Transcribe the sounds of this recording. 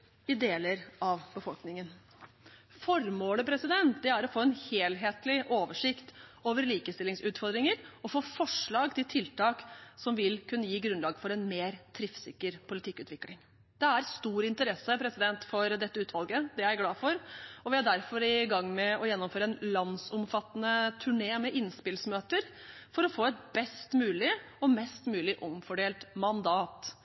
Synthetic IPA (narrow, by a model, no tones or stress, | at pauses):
ɪd̪eːləɾɑʋbəfɔlknɪŋən | fɔɾmoːləpʰɾɛsɪd̪ɛnt̪d̪ɛæɾɔfoːɛnheːlɦeːt̪lɪʔoːʋəʂɪkt̪oːʋəɾliːkəst̪ɪlːɪŋsʉːt̪fɔɾd̪ɾɪŋəɾɔfoːfɔʂɭɑːɡt̪ʰɪlt̪ʰɪlt̪ɑːksɔmʋɪlkʰʉnːəjiːɡɾʉnlɑːɡəfɔɾɛnmeːɾt̪ʰɾɪfsɪkːəɾpʰʊlɪt̪ʰɪkːʉːt̪ʰʋɪklɪŋ | d̪̥ɛæɾst̪uːɾɪnt̪əɾɛsːəpʰɾɛsɪd̪ɛnt̪fɔɾd̪ɛt̪ːəʉːt̪ʰʋɑlˠɡəd̪ɛjæɾɡlɑːfɔɾɔʋɪhɑɖæɾfɔɾɪɡɑŋːmɛɔjɛnːɔmføːɾəɛnlɑnsɔmfɑt̪ːənət̪ʰʉɳeːmɛʔɪnspɪlsmøːt̪əɾ | fɔɾɔfoːɛt̪̚bɛst̪mʉːlɪ | ɔmɛst̪mʉːlɪʔɔmfɔɖeːlt̪mɑnd̪ɑːt̪